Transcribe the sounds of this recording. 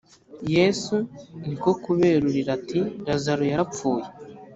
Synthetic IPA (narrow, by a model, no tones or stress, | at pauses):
jesuniko̞kuβe̞ːɾuɾiɾatiɾazaɾojaɾap͡fuːje